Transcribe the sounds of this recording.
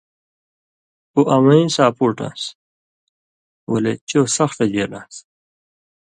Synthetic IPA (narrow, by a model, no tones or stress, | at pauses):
uʔɐmɐĩsaːpuɾʈa̰ːs | wɐlet͡ɕoːsɐxʈ̪ɐd͡ʑeːɾnaːs